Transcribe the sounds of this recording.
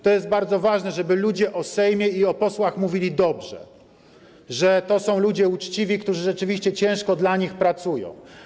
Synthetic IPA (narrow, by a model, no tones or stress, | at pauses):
t̪ɔjɛst̪̚baɾd̪zɔvaʐnɛʐɛbɘlud͡ʑɛʔɔsɛjmʲjɛiɔpɔswaxmuvʲilʲid̪ɔbʐɛ̰ | ʐɛt̪ɔsɔ̃w̃lud͡ʑɛut͡ʂt͡ɕivʲikt̪uʐɘʐɛt͡ʂɘvʲiɕt͡ɕɛt͡ɕɛ̃w̃ʂkɔd̪laɲixpɾat̪sujɔ̰̃w̃